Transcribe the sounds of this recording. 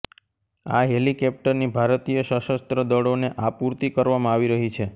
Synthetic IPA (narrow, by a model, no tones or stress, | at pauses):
aɦelikɛp̚ʈəɾnibʱaɾt̪ijəʃəʃəst̪ɾəd̪əɽoneʔapuɾt̪ikəɾʋamãaʋiɾəɦit͡ʃʰe